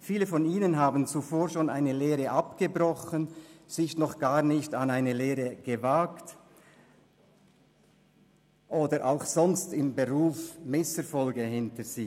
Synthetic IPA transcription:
fiːləfɔniːnənɦaːbn̩t͡sufoːɾʃoːna̰ɪnəleːʁəʔapɡ̥əbʁɔxənz̥ɪçnɔχɡ̥aːnɪçtɑnaɪnəleːʁəɡ̥əvakt | ʔoːdəɾʔa̰ʊxsɔnstɪmbəʁuːfmɪsəfɔlɡəhɪntəz̥iː

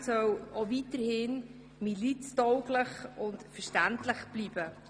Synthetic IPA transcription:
sœwovitəɾhɪn | milit͡stɔʊɡləχʊntfəɾʃtæntləχb̥liːb̥ə

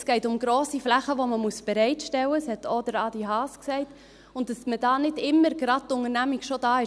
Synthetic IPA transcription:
sɡ̥ɛɪtʊmɡɾoːsiflæχəʋoməmuəsb̥ɛɾɛɪtʃtɛwəshɛtodəɾɑːdiɦɑːsksɛɪt | ʊnt̚d̥ɑsməd̥ɑːnɪdɪmːəɾɡ̥ɾɑd̚tʊŋəɾnæmiɡʃodɑːɪ

